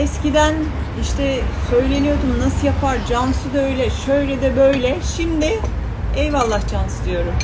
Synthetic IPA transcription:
ɛscid̪æn | iʃt̪ʰɛsø̞jlʲe̞nijo̞d̪umnasɯjapʰaɾd͡ʒansɯd̪øjlʲɛʃøjɾɛd̪ɛbøjlʲɛʃimd̪ɪ | ɛjvalˠːahd͡ʒansɯd̪ijo̞ɾum

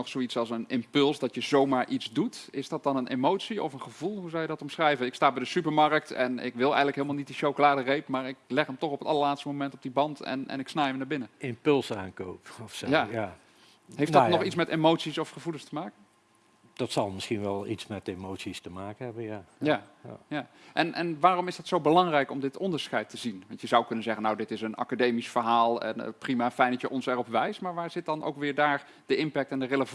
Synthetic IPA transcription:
nɔχsowitsɑlˠs̬ənɪmpɵlˠsdɑtjəzowmaːɹʔitzdutɪzdɑt̚dɑnənemowtsiɔ̰fənχəvulˠɦuzɔljədɑtɔmsχrɛjvəɪkstaːbɛjdəsypəɹmɑrək̚tɛ̰nɪ̰kʋɪlˠɛ̰jənləkɦɪlˠmalˠnit̚diʃowkolaːdərejpmaːɹɪklɛχəmtɔχɔpətɑlˠəɹlaːtstəmomɛntɔb̚dibɑntɛ̰nɛ̰nɪksnaːjəmnaːɹbɪnəɪmpɵlˠsaːŋkowpɔfsjaj | ɦejfdnɔχitsmɛtemowtsisɔfχəvuləstəmaːkən | d̥ɑtsɑlˠmɪsχinʋɛlˠitsmɛtemowtsistəmaːkənɦɛbənjajajaːʔɛnʔɛnʋaːrɔmɪzdɑtsowbəlɑŋrɛjkɔmdɪtɔndəɹsχɛjtəzinʋɑntjəzɑwkɵnənzɛχənawdɪtɪsənɑ̰kadejmisfəɹɦaːlˠɛ̰n̰primaːfɛjndɑtjəʔɔnsɛrɔpʋɛjstmaːɹʋaːɹzɪt̚dɑno̰wkʋɪːɹdaːɹ | d̥əʔɪmpɛk̚tɛndəreləv

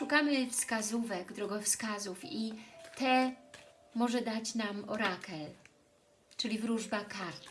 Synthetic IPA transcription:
ʂukamɘfskazuvɛɡd̪ɾɔɡɔfskazufit̪ɛ | mɔʐɛd̪at͡ɕnamɔɾakɛl | t͡ʂɘlʲivɾuʐbakaɾt̪

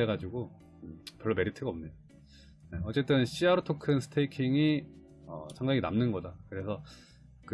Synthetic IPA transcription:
eɡad͡ʑiɡo | ɯpjʌɭːʌme̞ɾitʰɯɡaʌmɲeda | ne̞ʌt͡ɕ͈e̞t͈ɯnɕ͈ʰiaɾotʰokʰɯnsʰɯ̥tʰeikʰiŋi | ʌ̰sʰaŋdaŋina̰mnɯnɡʌdakɯɾe̞sʰʌ | kɯ

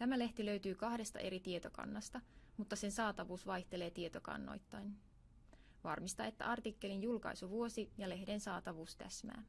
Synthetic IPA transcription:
t̪æmæle̞ht̪ilø̞ɥt̪yːkɑhde̞st̪ɑ̰ʔe̞ɾit̪ie̞t̪okɑ̰nːɑst̪ɑmut̪ːɑse̞nsɑːt̪ɑʋuːsʋɑjht̪e̞le̞ːt̪iet̪okɑ̰nːo̰jt̪ːɑjn | ʋɑrmist̪ɑe̞t̪ːæ̰ʔɑrt̪ikːe̞linjulkɑ̰jsuʋuosijɑle̞hde̞nsɑːt̪ɑʋuːst̪æ̰smæ̰ː

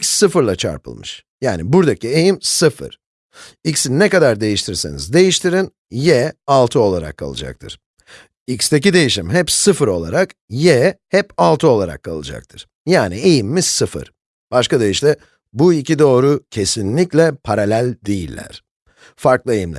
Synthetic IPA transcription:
icsːɯfɯɾlˠat͡ʃʰa̰ɾpɯ̰lˠmɯ̰ʃ | jaːnibuɾd̪acie̞jimsɯfɯ̰ɾ̥ | icsinɛkad̪aɾd̪e̞jiʃt̪ʰɾiɾsḛnḭzd̪e̞jiʃt̪ʰiɾin | jɛalˠt̪ʰɯo̞lˠaɾa̰kʰːa̰lˠɯ̰d͡ʒa̰k̚t̪ʰɯ̰ɾ̥ | icst̪ʰec̬id̪e̞jiʃimɦɛpsɯfɯɾo̞lˠa̰ɾakjɛhɛpalˠt̪ʰɯo̞lˠaɾa̰kʰːa̰lˠɯd͡ʒa̰k̚t̪ʰɯɾ̥ | jaːnie̞jimːizsɯfɯ̰ɾ̥ | b̥aʃkad̪ejiʃlʲɛ | buicid̪o̞ːɾucʰe̞sinlʲiclʲɛpʰaɾalʲælʲd̪ejilʲːæ̰ɾ̥ | faɾklˠɯe̞jimlʲɛ̰

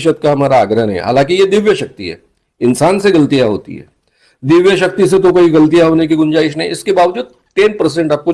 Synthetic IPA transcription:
ʃət̪̚kaɦɐmaːɾaːɡɾəɦənɦɛ̰ɦa̰ːlãːkijed̪ɪʋjəʃɐk̚t̪ḭɦɛ̰ː | ɪnsaːnseɡɐlət̪ijaɦo̰ːt̪ḭɦɛ̰ː | d̪ɪʋjəʃɐk̚t̪is̬et̪okoːiɡɐlt̪ijaɦoːnek̬iɡʊnd͡ʒaːɪʃ̬nəɛ̰̃ɪskebaːʋd͡ʒuːd̪̚ | ʈeːnpəɾs̬ẽɳʈaːp̚ko

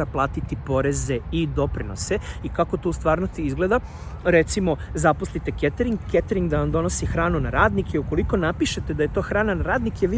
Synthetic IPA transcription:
aplˠaːt̪it̪ipo̞ɾe̞ze̞id̪o̞pɾino̞̰se̞ikako̞t̪oust̪ʋaːɾnost̪iizɡle̞d̪a | ɾe̞t̪simo̞zaposlit̪e̞ket̪eɾiŋɡkːet̪eɾiŋɡd̪aand̪o̞nosixɾaːnunaɾaːd̪nikeuko̞liko̞napiʃe̞t̪e̞d̪aje̞t̪o̞ːxɾaːnanaɾaːd̪nikeʋi

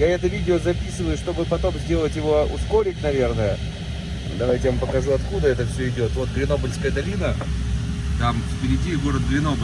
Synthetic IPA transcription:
jaɛt̪əvʲidʲɪozɐpʲisɨvəjʊʂt̪o̞bɨpɐt̪o̞mzʲdʲe̞lˠətʲjɪvo̞ʊ̰sko̞ɾʲɪknɐvʲe̞rnəjə | d̪ɐvajtʲɪvampəkɐʐuɐt̪kud̪əɛt̪əfsʲɵɪdʲo̞t̪vo̞t̪̚ɡɾʲɪno̞bəlʲskəjəd̪ɐlʲinə | t̪amfpʲɪɾʲɪdʲiɡo̞ɾəd̪̚ɡɾʲɪno̞bə

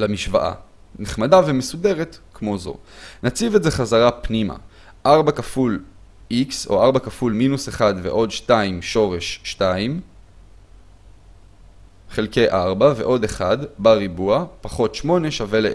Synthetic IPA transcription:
lamiʃva̰ʔa̰neχmadaveme̞sude̞ʁetkmo̞zo̞̰ | nat͡sivetze̞χazaʁapnima̰ | ʔaʁbakaful | ikso̞̰aʁbakafulminuseχadve̞̰ʔo̞dʃtaimʃo̞ʁe̞ʃːtaim | χe̞lke̞jʔaʁbave̞̰ʔo̞d̪eχadbaʁibuapaχo̞tʃmo̞ne̞ʃave̞le

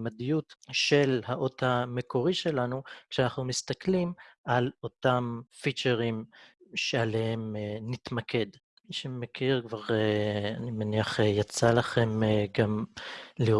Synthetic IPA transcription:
mad̪ijutʃe̞lhaʔo̞t̪hame̞ko̞ʁiʃe̞lanukʃeanaχnumist̪aklimalo̞t̪amfit͡ʃeʁimʃealehemnit̪makʰe̞d̪ | ʃemekʰiʁkvaʁeanimeniaχejat͡salaχe̞mɡamliʁ

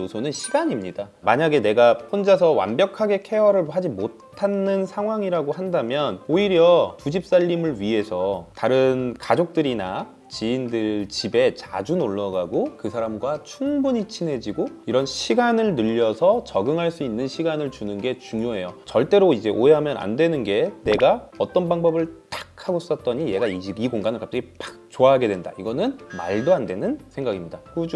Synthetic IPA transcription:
osʰonɯnɕʰiɡaɲimɲida | maɲaɡe̞ne̞ɡapʰond͡ʑasʰʌwa̰mbjʌkʰaɡe̞kʰe̞wʌɾɯɭɦad͡ʑimotʰanːɯnsʰaŋɦwaŋiɾaɡohandamjʌnoiɾjʌpud͡ʑip̚s͈aʎːimɯɭɥiɦe̞sʰʌtaɾɯnkad͡ʑok̚t͈ɯɾina̰ | t͡ɕiindɯɭt͡ɕibe̞t͡ɕa̰d͡ʑunoɭːʌɡaɡokɯsʰaɾamɡwat͡ɕʰuŋbuɲit͡ɕʰinɦe̞d͡ʑiɡoiɾʌnɕʰiɡanɯɭnɯʎːʌsʰʌt͡ɕʌɡɯŋɦaɭs͈uinːɯnɕʰiɡanɯɭt͡ɕunɯnɡe̞t͡ɕuŋjoɦe̞jot͡ɕʌɭt͈e̞ɾoid͡ʑe̞ʔoɦe̞ɦamjʌna̰ndwenɯnɡe̞ne̞ɡaʌt͈ʌnbaŋbʌbɯɭtḁk̚ʰaɡosʰs͈ʌt̚t͈ʌɲije̞ɡaiɕʰibiɡoŋɡanɯɭkap̚t͡ɕ͈ʌɡipak̚t͡ɕoaɦaɡe̞dwe̞nda̰iɡʌnɯnma̰ɭdoandwe̞nɯnsʰeŋɡaɡimɲidakud͡ʑu

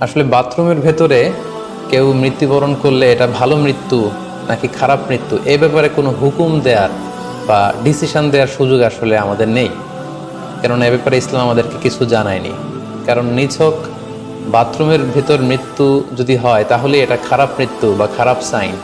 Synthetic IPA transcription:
aʃolebat̪ːɾomeɾbʱet̪oɾe | kewmɾit̪ːubɔɾonkoɾleeʈabʱalomɾit̪ːu | nakikʰaɾabmɾit̪ːuʔebɛpaɾekonoɦukumd̪eaɾ | baɖisiʃand̪eaɾʃud͡ʑoɡaʃoleamad̪eɾnej | kɛɾonebɛpaɾeislamamad̪eɾkekit͡ɕʰud͡ʑanaenḭ | kaɾonːit͡ɕʰok | bat̪ːɾomeɾbʱit̪oɾmɾit̪ːud͡ʑod̪iɦɔet̪aɦoleeʈakʰaɾabmɾit̪ːubakʰaɾabsajn

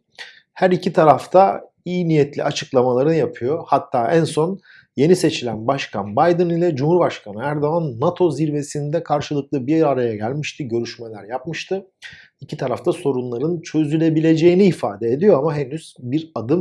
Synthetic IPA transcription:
hæɾicʰit̪ʰaɾaft̪ʰa | iːnijɛt̪lʲḭat͡ʃʰɯklˠamalˠaɾɯnjapʰɯjo̞hat̪ʰːaːænso̞n | je̞nise̞t͡ʃʰilʲænbaʃkʰa̰nbajd̪ɯnilʲɛd͡ʒumhuɾbaʃkʰanɯæɾd̪o̞anːat̪ʰo̞ziɾve̞sind̪ɛkʰaɾʃɯlˠɯklˠɯbiaɾajaɟælʲmiʃt̪ʰiɟø̞ɾyʃmelʲæɾjap̚mɯʃt̪ʰɯ | icʰit̪ʰaɾaft̪ʰaso̞ɾunlˠaɾɯnt͡ʃʰø̞zylʲe̞bilʲe̞d͡ʒe̞jiniːfa̰ːd̪eed̪ijo̞amaɦenyz̥biɾad̪ɯm

